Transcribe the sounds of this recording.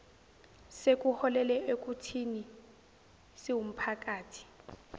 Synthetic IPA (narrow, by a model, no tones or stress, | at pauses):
sek̬ʼuhɔlɛlɛek̬ʼutʰini | siwum̩pʰak̬ʼaːtʰi̥